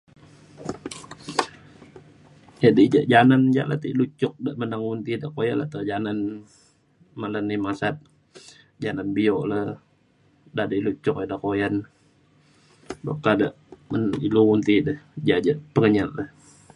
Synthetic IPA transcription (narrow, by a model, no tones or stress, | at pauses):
jadəd͡ʒaʔd͡ʒanand͡ʒa̰ʔlat̪iʔlut͡ʃʊk̚daʔmənaŋwunt̪idaʔkojanla̰t̪əd͡ʒanan | malanːimasat̪̚ | d͡ʒananbiɔʔləh | dadəʔlut͡ʃʊk̚adakojan | bakːadaʔməniluwunt̪idəhd͡ʒad͡ʒaʔpəŋəɲallah